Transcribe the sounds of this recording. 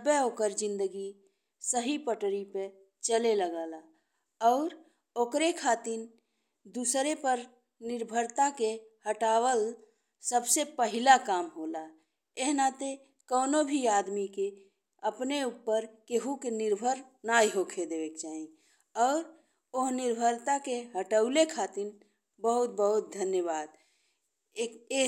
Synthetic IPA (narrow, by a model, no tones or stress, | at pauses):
beokəɾd͡ʒɪ̃nd̪əɡi | səɦipəʈɾipe | t͡ʃəleləɡaːla | ɔːɾ | oːkɾekʰaːt̪iɾ | d̪usɾepəɾ | nɪɾbʱəɾt̪akehəʈaːwəl | səbsepəɦɪlakaːmɦola | eɦnat̪e | kəʊnobʱiaːd̪mike | əpneupːəɾkeɦukenɪɾbʱəɾ | najɦokʰed̪ebekt͡ʃaːɦĩ | ɔːɾ | oɦnɪɾbʱəɾt̪akeɦəʈəʊlekʰat̪in | bəɦut̪̚bəɦut̪̚d̪ʱənjəbaːd̪̚ | ee